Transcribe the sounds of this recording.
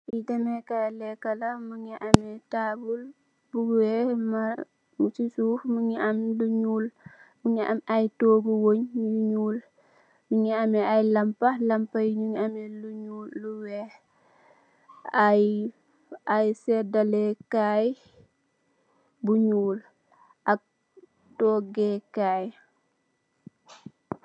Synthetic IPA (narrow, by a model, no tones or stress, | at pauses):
ʔidɐmɛkajlɛkːɐlɐmuŋiʔamɛtaːbul | buwɛma | mut͡ʃisufmuŋiʔɐmduɲuːlmuŋɛʔɐmajtoːɡuwoɲjuɲuːl | muŋɛɐmɛajlɐmpɐlɐmpɐjɲuŋiɐmɛluɲuːlːuwɛ | aj | ajsɛdɐlɛkaj | buɲuːl | ʔɐk̚ | tɔɡɛkaːj